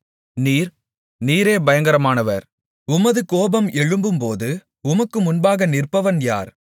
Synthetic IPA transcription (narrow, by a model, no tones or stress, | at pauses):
niːɾ | niːɾeːbɐjɐŋɡɐɾɐmaːnɐʋɐ̰ɾ | ʊmɐðɯkoːbɐmɛɻɯmbɯmpoːðɯ | ʊmɐkːɯmʊnbaːɣɐnɪrpɐʋɐnja̰ːɾ